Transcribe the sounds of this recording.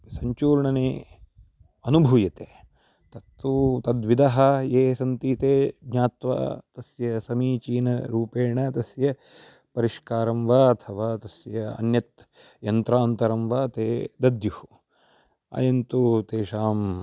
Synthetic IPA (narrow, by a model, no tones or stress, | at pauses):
sɐɲt͡ʃuːɾɳɐneː | ɐnubʱujɐt̪eː | t̪ɐt̪ːut̪ɐd̪ʋid̪ɐɦɐ̆eːsɐnt̪iːt̪eːɡɲaːt̪ʋa̰ːt̪ɐsjɐsɐmiːt͡ʃiːnɐ̰ɾuːpeːɳɐt̪ɐsjɐ | pɐɾiʂkaːɾɐmʋɐɐt̪ʰɐʋaːt̪ɐsjɐɐ̰njɐt̪ | jɐnt̪ɾaːnt̪ɐɾɐmʋaːt̪eːd̪ɐd̪juhu | a̰jɐnt̪ut̪eːʃaːm